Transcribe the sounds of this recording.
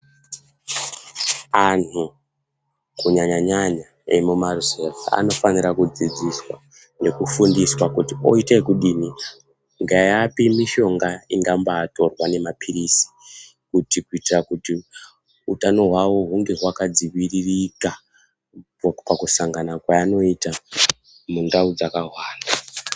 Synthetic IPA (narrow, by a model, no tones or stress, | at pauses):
an̤u | kuɲaɲaɲaɲa | emumaruzeva̰a̰no̞faniɾakud͡zid͡ziswa̰ | ne̞kufundiswakutio̞itekuɗini | ŋɡajapimiʃo̞ŋɡaiŋɡambaːto̞rwane̞mapʰiɾisi̥ | kutikuitirakuti | utano̞ɦwawo̞ɦuŋɡe̞ɦwakad͡ziʋiririka | pakusaŋɡanakwaano̞ita | mundaud͡zakaɦwaːna